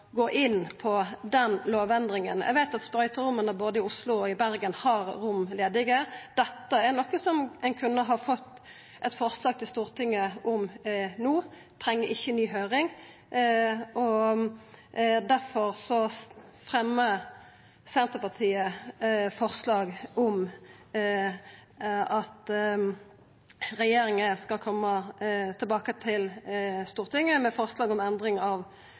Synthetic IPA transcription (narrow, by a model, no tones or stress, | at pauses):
ɡoːʔɪnːpʰɔd̪ɛnloːʋɛnd̪ʁɪŋənæ̰ɪɡʋæɪt̪ɑt̪spɾœʏt̪əɾʊmənəboːd̪əɪʊslʊɔɪbæɾɡənhɑɾɾʊmleːd̪ɪɡəd̪̥ɛt̪ːəɛɾnɔkːəsɔmɛɪnkʰʉnːəɦɑfɔt̪ː | ʔɛt̪fɔʁslɑːɡ̚t̪ʰɪlst̪uːʁt̪ʰɪŋːəɔmnuː | t̪ʰɾɛŋːəɪçːənyːɦøːɾɪŋ | ʔɔ | d̪æɾfɔʁsɔ | fʁɛmːə | sɛnt̪əpɑʁt̪ʰiːəfɔʁslɑːɡɔm | ɑt̪ | ʁɛjeːɾɪŋəskɑlkʰɔmːət̪ʰɛlbɑːkət̪ʰɪlst̪uːʁt̪ɪŋːəmɛfɔʁslɑːɡɔmɛnd̪ʁɪŋɑʋ